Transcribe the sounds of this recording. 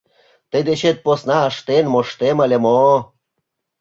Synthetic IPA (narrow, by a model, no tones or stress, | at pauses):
t̪ə̆jd̪eɕet̪̚posnɑəʃt̪enmoʃt̪eməlʲemo